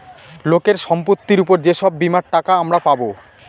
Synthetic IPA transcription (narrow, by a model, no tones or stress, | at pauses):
lokeɾʃɔmpot̪ːiɾupoɾd͡ʑeʃɔbːimaɾʈakaamɾapabo